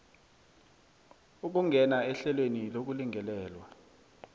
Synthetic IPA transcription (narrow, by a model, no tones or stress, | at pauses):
uk̬uŋɡʱɛnaɛɬɛlwenilok̬uliŋɛlɛːlwa